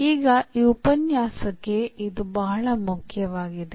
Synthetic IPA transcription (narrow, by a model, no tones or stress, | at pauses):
iːɡɐiupɐnjaːsɐkːe̞ʔid̪ubɐɦɐɭɐmukʰjɐʋaːɡid̪e